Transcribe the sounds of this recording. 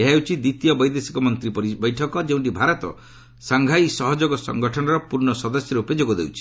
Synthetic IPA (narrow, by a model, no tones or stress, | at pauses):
eɦawt͡ʃʰid̪it̪ijɔbɔjd̪esi̥kɔmɔnt̪ɾibɔjʈʰɔkɔd͡ʒeũɳʈibʱaɾɔt̪ɔ̰ | saŋɡʱajsɔɦɔd͡ʒoɡɔsɔ̰ŋɡɔʈʰɔnɔɾɔpuɾɳɔsɔd̪ɔsjɔɾeuped͡ʒoɡɔd̪ewt͡ʃʰi̥